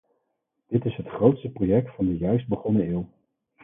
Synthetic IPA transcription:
d̥ɪtɪsɦətχrowtstəprojɛk̚tfɑndəjœɥsd̚bəχɔnəɪːlˠ

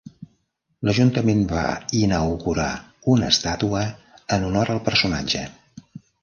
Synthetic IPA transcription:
ləʒunt̪əmenba̰inəwɣuɾa̰unə̰st̪at̪uəənunɔɾəlˠpəɾsuna̰d͡ʒə

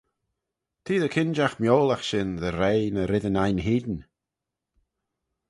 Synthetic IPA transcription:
t̪ʰiːðəkʰɪnd͡ʒaxmjoːlˠaxʃɪnðəɾejnəɾɪðənajnɦiːd̪n

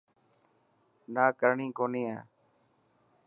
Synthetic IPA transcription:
naːkəɾɳĩːkoːnĩːã̰ː

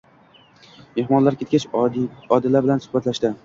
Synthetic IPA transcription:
mehmɒnlaɾkʲe̞t̪̚ʲkʲat͡ʃɒd̪ɪlːaɾbɪlansʊ̥hbat̪laʃd̪ɪ

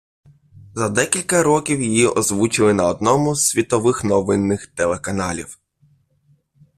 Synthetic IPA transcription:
zɐd̪ɛkʲilʲkɐɾɔkʲiwjijiʔɔzʋut͡ʃɪlˠɪnɐɔd̪̚nɔmʊzʲʋʲit̪ɔʋɪxnɔʋɪnːɪxt̪elˠekɐnɑlʲiw

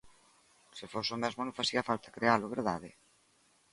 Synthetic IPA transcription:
sɪfosomɛzmonõfasiafalt̪ḁkɾealʊβeɾð̞aðɪ

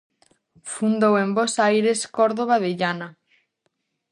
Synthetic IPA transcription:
fund̪owembosajɾeskɔɾðoβ̞aðeʎana

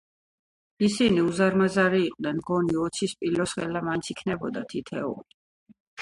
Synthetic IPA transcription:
isiniuzaɾmazaɾiːqʼnɛnmɡɔniɔt̪sʰispʼilɔsʁɛ̰lamainsʰikʰnɛbɔd̪at̪ʰit̪ʰɛṵl

